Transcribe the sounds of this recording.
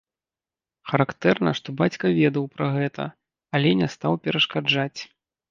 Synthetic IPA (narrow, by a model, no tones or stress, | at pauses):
xɐɾakt̪ɛrnɐ̰ʂt̪ɔbat͡sʲkɐvʲɛd̪ɐwpɾɐɣɛt̪ɐ̰ | alʲɛnʲɛst̪awpʲɛɾɐʂkad͡ʐat͡sʲ